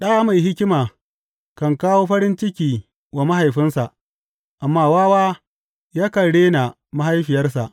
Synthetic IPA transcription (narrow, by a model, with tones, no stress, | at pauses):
ɗa˦a˦ma˨jɦɪ˦kʲɪ˦maː˨ | kɐ˨ŋkaː˦woː˦ɸɐ˦ɾɪ˦nt͡ʃɪ˦kʲiː˨ | wa˨ma˦ɦa˨jɸɪ˦nsa˨ʔ | ʔa˨mːaː˦waː˦waː˦ | jaː˦kɐ˨ɽeː˦na˨ | ma˦ha˦jɸɪ˨jɐ˦rsa̰˨ʔ